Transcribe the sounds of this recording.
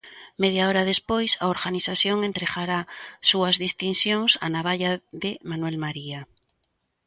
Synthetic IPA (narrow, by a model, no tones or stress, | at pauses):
með̞jaoɾað̞espojsaoɾɣaniθaθjoŋent̪ɾeɣaɾasuazðist̪insjoŋsa̰naβaʎaðemanwelmaɾia